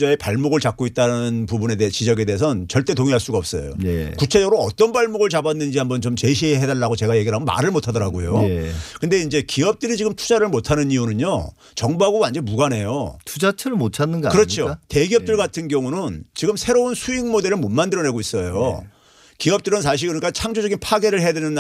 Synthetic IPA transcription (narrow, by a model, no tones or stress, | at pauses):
d͡ʑae̞paɭmoɡɯɭt͡ɕak͈̚oit̚t͈anɯnpubune̞det͡ɕid͡ʑʌɡe̞deesʰʌnt͡ɕʌɭt͈e̞toŋiɦaɭs͈uɡaʌp̚s͈ʌjo̰jekut͡ɕʰe̞d͡ʑʌɡɯɾoʌt͈ʌnbaɭmoɡɯɭt͡ɕabanːɯnd͡ʑihambʌnt͡ɕomt͡ɕe̞ɕ̬ʰieɦedaɭːaɡot͡ɕe̞ɡaje̞ɡiɾɦamʌma̰ɾɯɭmotʰadʌɾaɡojokɯnde̞ind͡ʑe̞kiʌp̚t͈ɯɾit͡ɕiɡɯmtʰu̥d͡ʑaɾɯɭmotʰanɯniunɯɲo | t͡ɕʌŋboɦaɡowand͡ʑʌnbuɡanɦe̞jotʰud͡ʑat͡ɕʰɯɾɯɭmotʰanːɯnɡa̰kɯɾʌt͡ɕʰote̞ɡiʌp̚t͈ɯɭɡatʰɯnɡjʌŋunɯnt͡ɕiɡɯmsʰe̞ɾounsʰuiŋmode̞ɾɯɭmonmandɯɾʌne̞ɡois͈ʌjo̰ | kiʌp̚t͈ɯɾɯnsʰaɕ̬ʰiɭkɯɾʌnik͈at͡ɕʰaŋd͡ʑod͡ʑʌɡinpʰaɡe̞ɾɯɭɦe̞jadenɯn